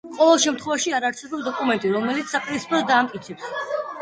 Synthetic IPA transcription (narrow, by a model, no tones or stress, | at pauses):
qʼɔvɛlˠʃɛmt̪ʰχwɛvaʃiaɾaɾsɛbɔpsd̪ɔkʼumɛnt̪ʼiɾɔmɛlit̪ssːapʼiɾispʰʼɾɔsd̪aːmkʼit̪sʰɛps